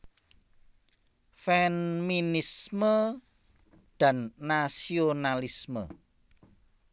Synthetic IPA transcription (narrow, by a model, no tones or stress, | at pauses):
fɛnminismə | d̪̥a̤nːasionalismə̰